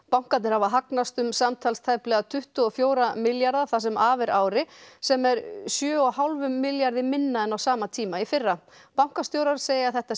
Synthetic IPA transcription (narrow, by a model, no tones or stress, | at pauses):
paw̃ŋkat̪nɪɾhavaɦaknast̪ʏmsamt̪ʰalst̪ʰajplɛɣat̪ʰʏht̪ʏɔfjoːwɾamɪljaɾðaθas̬ɛmaːvɪɾʔaːwɾɪsɛmɛɾsjœːɔhawlvʏmːɪljaɾðɪmɪnːaɛnawsaːmat̪ʰiːmaifɪrːa | pawŋ̥kast̪jowɾaɾseːjaθɛht̪a